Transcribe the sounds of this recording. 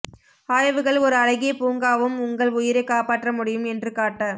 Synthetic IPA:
aːɻɐʋɯɣɐɭɔɾɯɐɻɐɣɪjɐpuːŋɡaːʋɯmʊŋɡɐɭʊjɪɾɐkaːpaːʈrɐmʊɽɪjɯmɛndrɯkaːʈːɐ

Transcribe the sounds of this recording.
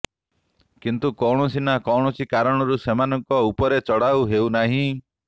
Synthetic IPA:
kint̪ukɔwɽ̃ɔsinakɔwɽ̃ɔsikaɾɔɽ̃ɔɾusemanɔŋkɔupɔɾet͡ʃɔɽawɦeunaɦĩ

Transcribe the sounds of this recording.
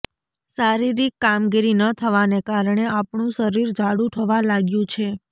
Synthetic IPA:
saɾiɾikːamɡiɾinət̪ʰəʋanekaɾəɳ̃eapɳũʃəɾiɾd͡ʒʱaɽũʈ̪ʰəʋalaɡjũt͡ʃʰe

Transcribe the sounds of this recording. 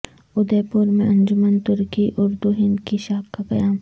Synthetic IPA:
ʊd̪eːpʊɾmẽʔɐ̃ɲd͡ʒʊmənt̪ʊɾkiʔʊɾd̪uɦɪnd̪kiʃaːb̚kaqɐjaːm

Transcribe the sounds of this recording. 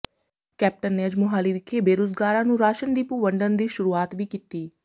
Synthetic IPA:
kɛːp̚ʈənːeːəd͡ʒmʊɦaːliːʋɪkʰːeːbeːɾoːsɡaːɾãːnũːɾaːʃənɖiːpũːʋəɳɖənd̪iːʃʊɾuːaːt̪ʋiːkiːt̪iː

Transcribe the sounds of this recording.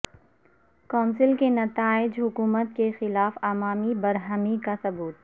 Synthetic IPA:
kɔːnsɪlkenɐt̪aːɪd͡ʒɦʊkuːmət̪̚kexɪlaːfaːmaːmibɐɾɦəmikasɐbuːt̪̚

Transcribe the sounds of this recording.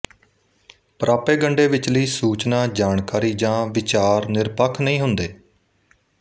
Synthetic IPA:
pəɾaːpeːɡəɳɖeːʋɪt͡ʃləiːsuːt͡ʃnaːd͡ʒaːɳkaːɾiːd͡ʒãːʋɪt͡ʃaːɾnɪɾpəkʰnəĩːɦʊnd̪eː

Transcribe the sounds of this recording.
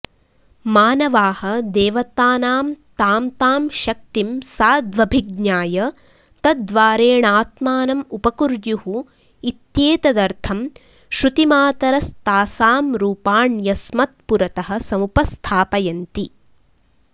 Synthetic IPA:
maːnɐʋaːhɐ̆d̪eːʋɐt̪aːnaːmt̪aːmt̪aːmʃɐk̚t̪imsaːd̪ʋɐbʱiɡɲaːjɐ | t̪ɐd̪ʋaːɾeːɳaːt̪maːnɐmupɐkuɾdjuhu | it̪jeːt̪ɐd̪ɐɾt̪ʰɐm | ʃɾut̪imaːt̪ɐɾɐst̪aːsaːmɾuːpaːɳjɐsmɐt̪̚puɾɐt̪ɐɦɐ̆sɐmupɐst̪ʰaːpɐjɐnt̪i

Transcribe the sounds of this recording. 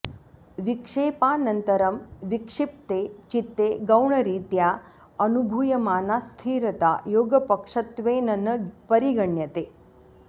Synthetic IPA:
ʋikʂepanənt̪əɾəmʋikʂip̚t̪et͡ʃit̪ːeɡəwɳəɾiːt̪ja | ənubʱujɐmaːnast̪ʰiːɾɐt̪a̰joːɡəpəkʂət̪ʋenɐnəpəɾiɡəɳjət̪e

